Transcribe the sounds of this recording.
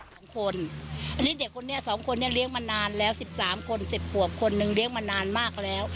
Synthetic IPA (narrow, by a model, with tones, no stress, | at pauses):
ɔː˩˦ŋkʰo˧nʔa˧niː˦˥de˨˩kʰːo˧nːi˦˥ɐsɔː˩˦ŋkʰo˧nːiː˧˩ɐ˨li˦˥əŋmaː˧naː˧nlɛː˦˥wsi˨˩p̚saː˩˦mkʰo˧nsi˨˩p̚ku˨˩əkʰːo˧nːɯ˨˩ŋli˦˥əŋmaː˧naː˧nmaː˥˩k̚lɛː˦˥w